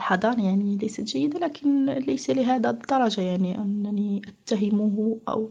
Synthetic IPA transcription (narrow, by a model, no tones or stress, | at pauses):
ħɑd̪ˤɑɾˤjaʕnilæjsæt̪ʒajːəd̪alækʰɪnlæjsalɪɦæːd̪æd̪ˤːɑɾˤɑʒajaʕniʔɪ̰nːæniʔat̪ːaɦɪmʊɦʔæ̰w